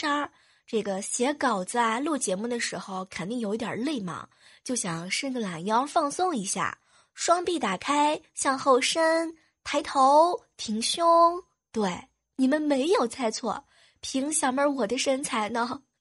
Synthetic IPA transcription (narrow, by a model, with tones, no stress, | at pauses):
ʂa˥ | ʈ͡ʂɤ˥˩ɡə˩ɕjɛ˧˥kɑ˨˩ʊt͡sə˧˩lu˥˩t͡ɕjɛ˧˥mu˥˩d̪ə˩ʂɻ̩˧˥xo˧ʊkʰə˨˩nt̪i˥˩ŋjʊi˥˩t̪jɑ̰˨˩le˥˩ɪmɑ̰˨˩ŋ | t͡ɕjo˥˩ʊɕjɑ˨˩ŋʂə˥nɡə˧la˨˩njɑ˥ʊfɑ˥˧ŋsʊ˥˧ŋi˧˥ɕja̰˥˩ | ʂwɑ˥ŋpi˥˩t̪a˨˩kʰa˥ɪɕjɑ˥˧ŋxo˥˩ʊʂə˥n | t̪ʰa˧˥ɪt̪ʰo˧˥ʊt̪ʰi˧˩˥ŋɕjʊ˥ŋ | t̪we˥˩ɪ | ni˨˩mə˦nme˧˥ɪjo˨˩ʊt͡sʰa˥˧ɪt͡sʰwɔ̰˥˩ | pʰi˧˥ŋɕjɑ˨˩ʊmə˞˧˥wɔ˨˩d̪ə˦ʂə˥nt͡sʰa˧˥ɪnə˧